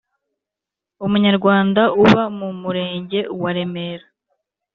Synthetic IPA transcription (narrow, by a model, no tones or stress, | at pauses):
umuɲaɾɡwaːndauβamumuɾe̞ːɲɟe̞waɾe̞me̞ɾa